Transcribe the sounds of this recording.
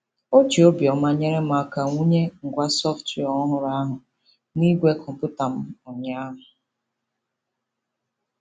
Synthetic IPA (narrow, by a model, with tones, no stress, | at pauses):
o˦t͡ʃi˨o˦bi˨ɔ˨ma˦ɲe˦ɾe˦m̩˦a˦ka˨ŋʷu˦ɲe˦ŋ̩˨ɡʷa˦sɔ˦fti˨ɔ˨ɔ˦ɦʊ˨ɾa˦a˦ɦʊ˨ | ni˦ɡʷe˦kʰɔ˨m˨pʊ˦ta˨m̩˦ʊ˨ɲa˦a˦ɦʊ˨